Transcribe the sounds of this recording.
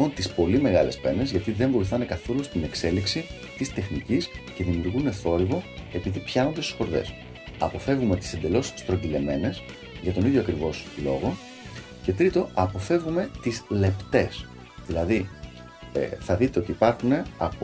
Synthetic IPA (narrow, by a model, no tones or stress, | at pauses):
ont̪ispo̞lime̞ɣɐle̞spe̞ne̞zʝɐt̪iðe̞ɱvo̞iθɐne̞kɐθo̞lust̪ine̞kse̞liksi | t̪ist̪e̞xnicisce̞ðimiuɾɣune̞θo̞ɾivo̞e̞piðipçɐnond̪est̪usxo̞ɾðe̞̰s | ɐ̰po̞fe̞vɣume̞t̪i̥se̞nd̪e̞lo̞si̥st̪ɾo̞ɟ̪ile̞me̞nes | ʝɐt̪o̞niðʝo̞ɐkɾivo̞slo̞̰ɣo̞ | ce̞t̪ɾit̪o̞ɐpo̞fe̞vɣume̞t̪izle̞pt̪e̞s | ðilɐði | θɐðit̪e̞o̞t̪iːpɐɾxune̞ɐp